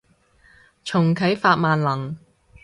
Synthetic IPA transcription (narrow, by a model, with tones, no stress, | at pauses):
t͡ʃʰʊ˨˩ŋkʰɐ˨˥jfaː˧t̚maː˨nlɐ˨˩ŋ